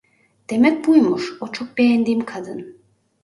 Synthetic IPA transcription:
d̪̥emɛk̚bujmuʃot͡ʃʰok̚bejɛnd̪imkʰad̪ɯn

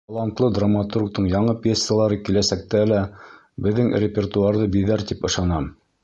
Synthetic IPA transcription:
ɑlˠɑnt̪lˠɤd̪ramat̪urk̚t̪ɤɴjɑɴɤpʲjesjalˠɑɾɤkilæsæk̚t̪ælæ | bɘ̆ðːɘŋrʲɪpʲert̪uɑɾðɤbiðæɾt̪ipɤ̆ʃɑnɑm

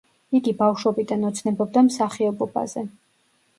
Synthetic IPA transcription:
iɡibafʃwɔbid̪anɔt̪sʰnɛbɔbd̪amsaχiɔbɔba̰zɛ

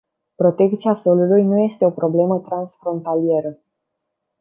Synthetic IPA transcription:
pɾo̞t̪e̞kt̪siaso̞lulujnuje̞st̪e̞o̞pɾo̞ble̞mət̪ɾansfɾo̞nt̪alie̞ɾə

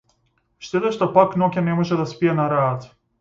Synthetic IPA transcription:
ʃt̪ed̪ɛʃt̪opaknoɡʲanɛmoʒɛd̪aspijanaɾaːt̪

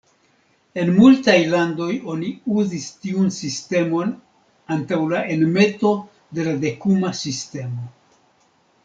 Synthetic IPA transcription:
e̞nmultajlando̞jo̞niuzistiunsiste̞mo̞n | antawlaʔe̞nme̞to̞ | de̞lade̞kumasiste̞mo̞

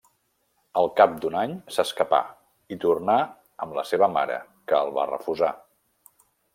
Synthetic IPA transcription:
əlˠkap̚d̪unaɲsəskəpa̰ | it̪urna | əmləseβəma̰ɾə̰ | kəːlˠβa̰rə̰fuza

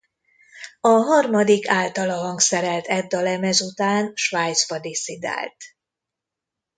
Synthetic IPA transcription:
ɒɦɒrmɒd̪ikaːlt̪ɒlɒɦɒŋksɛɾɛlt̪ɛd̪ːɒlɛmɛzut̪aːnʃʋaːjt̪spɒd̪isid̪a̰ːlt̪

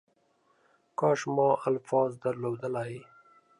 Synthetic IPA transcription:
kɑʃmɑʔalfɑzd̪aɾlod̪əlaj

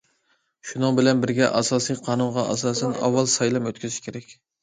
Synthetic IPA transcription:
ʃunɨŋbɪlɛnbɪɾɡʲɛʔɑsɑːsijqʰɑːnuɴʁɑʔɑ̰sɑːsɛnɑ̰wːɑlˠsɑjlˠɛmøt̪kʲyzɪʃkʲʰeɾɛkʲ

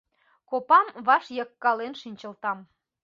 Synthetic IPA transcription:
kopɑmβɑʃjɑkːɑlenʃinʲt͡ɕəlt̪ɑm

